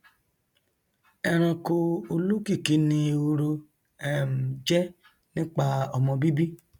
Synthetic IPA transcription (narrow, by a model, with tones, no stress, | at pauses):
ɛ˧ɾ̃ã˧ko˧o˧lu˦ki˦˨ki˨˦nĩ˧o˧ɾo˧ | ɛ˨m̩˨d͡ʒɛ˦ | nĩ˦k͡pa˦ɔ˧mɔ̃˧bi˦bi˦